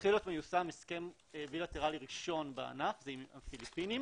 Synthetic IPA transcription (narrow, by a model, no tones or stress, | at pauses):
χilot̪mejusameske̞m | bilat̪eʁaliʁiʃo̞nbea̰nafzeimafilipinim